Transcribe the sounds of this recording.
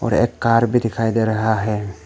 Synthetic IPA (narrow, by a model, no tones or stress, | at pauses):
ɔ̰ɾḛkːaːɾbʱid̪ɪkʰajd̪eɾɐɦaɦɛ